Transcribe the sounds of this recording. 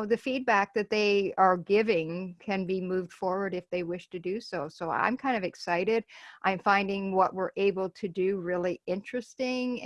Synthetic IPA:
ðɨfid̚bæk̚ðɨt̪̚ðeɪə˞ɡɪvɪ̃ŋkʰɨ̃nbimuvd̥fɔɹwə˞ɾɨfðeɪwɪʃtʰɨdɨsoʊsoʊã̰ɪ̃mkʰãɪ̃ndʌvɨksaɪɾɪɾʔãɪ̃ɱfãɪ̃ndɪ̃ŋwʌʔwɪɹʔeɪbl̩ˠtʰɨdɨɹɪlˠiɪ̃nt͡ʃɹ̥ɨstɪ̃ŋ

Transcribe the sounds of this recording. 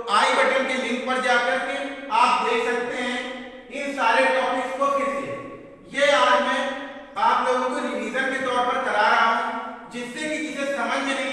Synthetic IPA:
aːĩbɛʈəmkilɪ̃ŋk̚pɐɾd͡ʒaːkɐɾkeaːp̚d̪eːkʰsɐk̚t̪eɦɛ̃ | ɪnsaːɾeʈɔːpɪskokelie | jeaːd͡ʒmɛ̃ː | aːploːɡõkoniɾiːzəɾket̪ɔːɾpɐɾt͡ʃɐɾaːɾɐɦaɦũd͡ʒɪsːekit͡ʃiːzẽsɐməd͡ʒʱne

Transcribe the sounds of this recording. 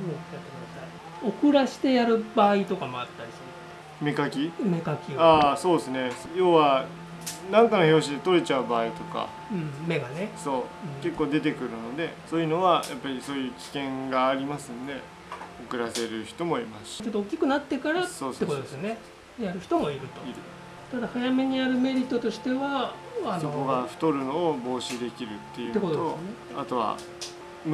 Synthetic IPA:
oat̪ːeknat̪ai | o̞kɯ̟ɾaɕi̥t̪e̞jaɾɯ̟baːit̪o̞kamo̞at̪ːaɾʲisɨne | me̞kakʲime̞kakʲiaːso̞ːd̪esɨne̞ | jo̞ːβa | nãŋkano̞ço̞ːɕid̪et̪o̞ɾe̞t͡ɕaɯ̟baːit̪o̞ka̰ | ɯ̟̃ːme̞ɡaneso̞ːɯ̃ke̞kːoːd̪e̞t̪e̞kɯ̟ɾɯ̟no̞d̪e̞so̞ːjɯ̟no̞βajʔapːaɾʲiso̞ːjɯ̟ːkʲi̥kẽ̞ŋɡaːɾʲimasɨ̃nd̪e̞ | okɯ̟ɾase̞ɾɯ̟çi̥t̪o̞mo̞imast͡ɕo̞t̪ːoːkʲːikɯ̟nat̪ːe̞kaɾat̪soːekot̪oesjone | jaɾɯ̟çi̥t̪o̞moiɾɯ̟t̪o̞iɾɯ | t̪ad̪ahajame̞ɲ̟iaɾɯ̟me̞ɾʲit̪ːot̪o̞ɕi̥t̪e̞βa | anokoɡaɸɯ̟̥t̪o̞ɾɯ̟no̞ːbo̞ːɕid̪e̞kʲiɾɯ̟t̪ːe̞jɯ̟ekot̪one | a̰t̪o̞βa̰ | m

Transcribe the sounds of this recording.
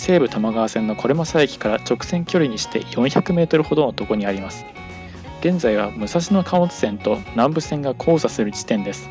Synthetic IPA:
se̞ːbɯ̟t̪amaɡaβːsẽ̞nːokʰo̞ɾemasaikʲi̥kaɾat͡ɕo̞kɯ̟̥sẽ̞ŋkʲo̞ɾʲiɲ̟iɕi̥t̪e̞̰jõ̞ɰ̃çakɯ̟me̞ːt̪o̞ɾɯ̟ho̞d̪onot̪o̞ko̞ɲ̟iaɾʲimasɨ̥ | ɡ̥ẽ̞nd͡zaiβ̞amɯ̟saɕino̞kʰaɯ̃nt͡sɨ̥sẽ̞nt̪o̞nãmbɯ̟sẽ̞ŋɡakʰo̞ːzasɨɾɯ̟d͡ʑi̥t̪ẽ̞nd̪e̞sɨ̥

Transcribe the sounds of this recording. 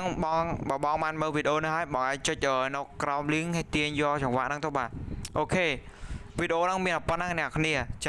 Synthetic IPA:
ŋɓɑŋɓaːɓɑŋɓaːnməːlʋiːɗeʔoːnɨɦaəjɓɑŋʔaɛɲt͡ɕɨc̚ʔəːnɔːkraɔmliəŋhat̪iəɲjɔːt͡ɕɑŋʋaːʔnɨŋt̪ʊhɓaːt̪̚ʔoːkʰeːʋiːɗeʔoːnɨŋmiənʔapənːaŋnɛ̆əʔkʰniət͡ɕa

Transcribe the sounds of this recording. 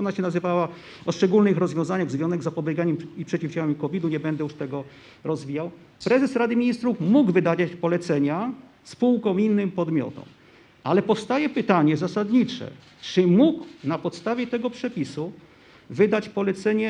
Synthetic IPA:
ɔnaɕɛnazɘvawa | ɔʂt͡ʂɛɡulnɘxɾɔzvʲjɔ̃zaɲaɣzvʲjɔ̃zɛɡzapɔbʲjɛɡaɲɛmipʂɛt͡ɕifd͡ʑamimkɔvʲid̪uɲɛbɛnd̪ɛjuʂt̪ɛɡɔ | ɾɔzvʲijaw | pɾɛzɛsɾad̪ɘmʲiɲist̪ɾufmuɡvɘd̪ad͡ʑat͡ɕpɔlɛt̪sɛɲa | spuwkɔ̃w̃inːɘmpɔd̪mʲjɔ̰t̪ɔ̰̃m | alɛpɔfst̪ajɛpɘt̪aɲɛzasad̪ɲit͡ʂɛ̰ | t͡ʂɘmuɡwnapɔt̪st̪avʲjɛt̪ɛɡɔpʂɛpʲisu | vɘd̪at͡ɕpɔlɛt̪sɛɲɛ

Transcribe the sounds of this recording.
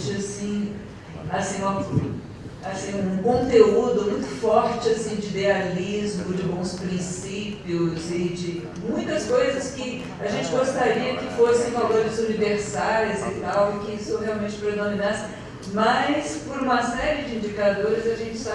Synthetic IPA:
t͡ʃɪasĩ | asĩmɐ | asĩũũkõnt̪eud̪ʊmũj̃t̪ʊ̥fɔɾt͡ʃɪasĩd͡ʒɪid̪ealizmʊd͡ʒɪbõw̃spɾĩs | ipiʊzɪd͡ʒɪ | mũj̃t̪ɐskojzɐskɪ | aʒẽnt͡ʃɪɡost̪aɾiɐkɪfosẽj̃valoɾɪzuniveɾsaɾʊzɪt̪awɪkɪisoɦeawmẽnt͡ʃɪ̥pɾed̪omĩnãs | mɐjspoɾũmɐsɛɾɪd͡ʒɪĩd͡ʒikad̪oɾɪzɐʒẽnt͡ʃɪ̥sa

